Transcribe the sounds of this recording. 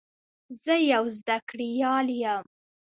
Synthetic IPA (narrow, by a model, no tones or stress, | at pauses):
zəjawzd̪akɽijɑljam